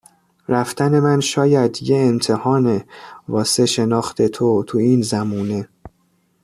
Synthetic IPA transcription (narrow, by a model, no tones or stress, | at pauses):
ɾæft̪æne̞mænʃɒːjæd̪jeːnt̪ʰe̞hɒːnevɒːse̞ʃe̞nɒːxt̪ʰe̞t̪ʰot̪ʰuiːnzæmuːne̞